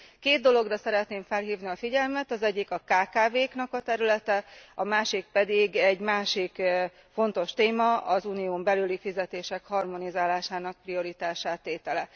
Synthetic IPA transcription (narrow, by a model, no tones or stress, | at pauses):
keːd̪̚d̪o̞lo̞ɡrɒsɛɾɛt̪neːɱfɛlɦiːvniɒfiɟɛlmɛt̪ɒzɛɟːikɒkaːkaːveːknɒkɒt̪ɛɾylɛt̪ɛɒmaːʃik̚pɛd̪iɡɛɟmaːʃik | fo̞nt̪o̞ʃt̪eːmɒʔɒzuːnijoːmbɛlylifizɛt̪eːʃɛkhɒrmo̞nizaːlaːʃaːnɒk̚prio̞ɾit̪aːʃaːt̪ːeːt̪ɛlɛ